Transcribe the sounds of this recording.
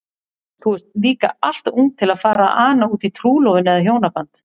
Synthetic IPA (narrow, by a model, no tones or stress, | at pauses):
θuɛst̪liːka̰al̥t̪uŋt̪ʰːɪlaðfaːɾaʔaːnauːt̪it̪ʰɾuːlɔvɪnɪðaðɦjoːwnapant̪